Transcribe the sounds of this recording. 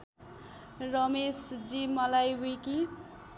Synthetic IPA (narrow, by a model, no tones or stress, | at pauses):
rʌmesd͡zimʌlajwiki